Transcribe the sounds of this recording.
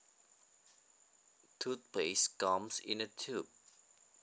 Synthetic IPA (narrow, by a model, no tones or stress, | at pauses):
tʰut̚pʰleskɔ̃msḭ̃nətʰub̚